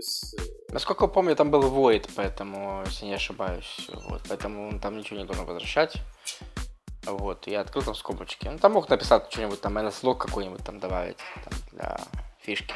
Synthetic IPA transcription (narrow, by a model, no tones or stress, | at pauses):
snɐskolʲkəjpomnʲʊjt̪ambɨlˠvojɪt̪pɐɛt̪əmʊjesʲlʲjanʲɪɐʂɨbajʊsʲvo̰t̪̚pɐɛt̪əmʊont̪amnʲɪt͡ɕɪvonʲɪd̪oʐənvə̰zvɾɐɕːætʲ | vot̪iɐt̪kɾɨlˠt̪amskobʊt͡ɕkʲɪnut̪amːoxt̪nəpʲɪ̥sat̪ʲt͡ɕonʲɪbʊt̚ʲt̪amːnɐslˠokːɐkojnʲɪbʊt̚ʲt̪amd̪ɐba̰vʲɪ̰tʲt̪amd̪lʲɐ̰fʲiʂkʲɪ̥